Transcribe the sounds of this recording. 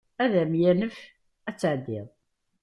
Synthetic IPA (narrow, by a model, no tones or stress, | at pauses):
æðæmjænəf | æt͡sːəʕd̪ːɪðˤ